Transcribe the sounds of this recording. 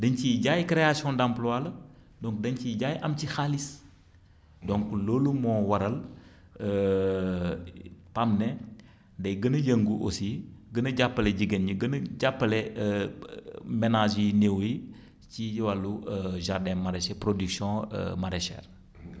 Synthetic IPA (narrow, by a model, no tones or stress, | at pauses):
dɐɲciɟaːjkɾeasjɔ̃ndamplwaːlɐ | dɔ̃ŋk̚dɐɲciɟaːjʔɐmcixalis | dɔ̃ŋkloːlumɔːwɐɾɐl | ə | pamnɛ | dɐjɡənɐjəŋɡuʔosiɡənɐɟapːɐlɛɟiɡɛnɲiɡənɐɟapːɐlɛə | mɛnaʒinewji | cijwaluəʒardɛ̃maɾɛʃɛpɾodyksjɔ̃ə̰mɐɾɛʃɛ̰ːr